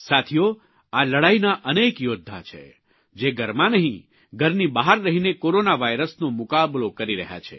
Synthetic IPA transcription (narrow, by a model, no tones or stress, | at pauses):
sat̪ʰijo | aləɽainaʔənekjod̪ʱːa̰t͡ʃʰḛ | d͡ʒeɡʱəɾmãnəɦĩ | ɡʱəɾnibaɦaɾːəɦinekoɾonaʋaiɾəsnomʊkablokəɾiɾəɦja̰t͡ʃʰḛ